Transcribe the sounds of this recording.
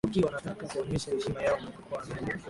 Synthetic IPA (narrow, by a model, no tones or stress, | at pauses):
kiwanatakakuɔmɛʃahɛʃimajaɔmakakwaza